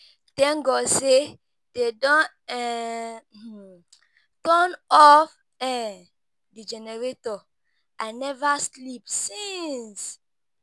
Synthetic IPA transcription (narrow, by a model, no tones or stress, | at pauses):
d̥ɛ̃ŋɡɔse | d̥edɔ̃ | ɛ | tɔnɔf | ɛ | did͡ʒɛnɛɹetɔ | anɛvaslipsĩns